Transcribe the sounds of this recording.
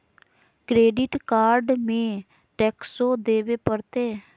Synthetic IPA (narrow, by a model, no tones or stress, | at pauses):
kɾeːɖɪʈkaːɾɖmẽː | ʈɛːksoːd̪eːʋeːpəɾt̪eː